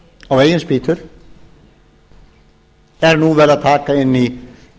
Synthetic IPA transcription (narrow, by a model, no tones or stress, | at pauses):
aweːjɪnspiːt̪ʏɾ̥ | ɛɾnuvɛːlaðt̪ʰaːkaɪnːi